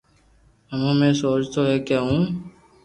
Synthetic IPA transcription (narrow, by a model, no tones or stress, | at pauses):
ɦəmẽːmẽːsoːt͡ʃt̪oːɦɛːkeːɦũː